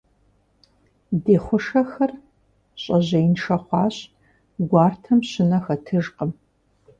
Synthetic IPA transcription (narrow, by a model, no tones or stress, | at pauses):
deːχʷʊʂɐxɐr | ɕʼɐʑɐjinʂɐχʷɑːɕ | ɡʷɑːrtʰɐmɕɪnɐxɐtʰɨʒqəm